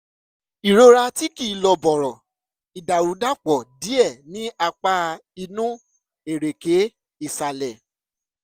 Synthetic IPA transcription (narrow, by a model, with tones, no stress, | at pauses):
i˨ɾo˧ɾa˧ti˦ki˦˨˦lɔ˨bɔ˨ɾɔ˨ | i˨da˨wu˨˦da˦˨k͡pɔ˨di˨˦ɛ˦˨nĩ˦a˧k͡pa˧˦i˧nũ˦ | e˨ɾe˨ke˨˦ | i˦˨sa˨lɛ˨